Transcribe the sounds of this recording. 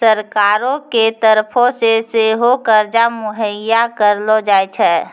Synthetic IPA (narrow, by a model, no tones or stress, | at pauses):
səɾkaːɾõket̪əɾpʰõseseɦokəɾd͡ʒamʊɦəjːakəɾlod͡ʒaːet͡ʃʰɛː